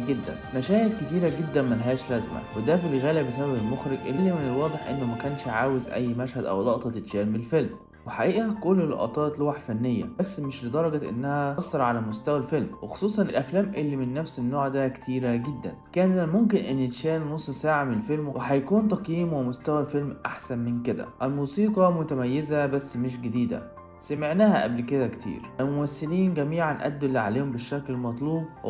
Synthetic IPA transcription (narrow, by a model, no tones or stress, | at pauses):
ɡed̪ːæ̰nmæʃæːjet̪ket̪iːɾæɡed̪ːænmænɦæːʃlæzmæ̰wed̪æfilɣæːlæbesæbæbelmoxɾeɡʔellːimenelwɑːd̪ˤeħʔḛnːomækæːnʃʕaːwezʔæ̰jːmæʃhæd̪ʔæ̰wlɑʔt̪ˤɑt̪et̪ʃæːlmelfelm | weħaʔiːʔhækolːlo̰ʔɑ̰t̪ˤɑːt̪lowaħfænːejːæ̰bæsːmeʃled̪ˤɑɾˤɑɡæʔḛnːæhæsˤːɑɾˤʕalæmost̪æwælfelmwexo̥sˤuːsˤɑnʔelʔæflæːmʔelːimɪnːæfsenːoːʕd̪æke̥t̪ʰiːɾæɡed̪ːæ̰nkæːnmomk̬ɪnʔenːet̪ʃæːlnosˤsaʕmelfelmwwʔeħæjkuːnt̪ɑqjiːmwemost̪æwælfelmʔaħsænmenked̪æ̰ʔælmuːsiːqɑmʊt̪æmæjːezæbæsːmeʃ̬ɡed̪iːd̪æ̰ | sæmeʕnæːhæʔæblked̪ækt̪ʰḭːɾʔælmomæsːɪliːnɡæmiːʕanʔæ̰d̪ːlːiʕa̰leːhombeʃːæklemɑt̪ˤluːbw